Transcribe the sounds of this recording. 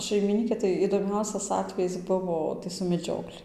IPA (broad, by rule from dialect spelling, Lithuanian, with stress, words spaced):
ʃɐɪmʲɪˈnʲiːkʲeː tɐɪ ɪdoːˈmʲɛʊsʲɛs ˈɑːtʲʋʲɛjɪs ˈbʊʋoː tɐɪ sʊ mʲɛˈd͡ʒʲoːklʲɪ